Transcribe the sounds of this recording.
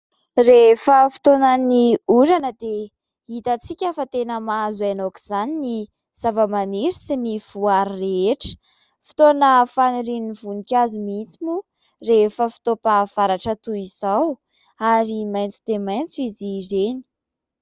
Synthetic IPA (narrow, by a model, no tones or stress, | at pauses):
refəfi̥t̪onəniuɾanəd̪e | it̪ət͡sikʲafət̪enəmazanoki̥z̥anini | z̥avəmaniɾisiniv̥uaɾireʈ͡ʂə̥ | fi̥t̪onəfaniɾinivunikʲazumit͡simu | refəfi̥t̪opav̥aɾaʈ͡ʂət̪uiz̥aw | aɾimajnt͡su̥t̪emajnt͡suizizeni̥